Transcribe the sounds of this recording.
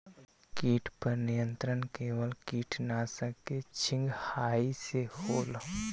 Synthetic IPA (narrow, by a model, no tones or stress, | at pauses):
kiːʈʰpəɾnijə̃nt̪ɾənkeːwəlkiːʈʰnasəket͡ʃʰɪ̃ŋɡhaːisehoːl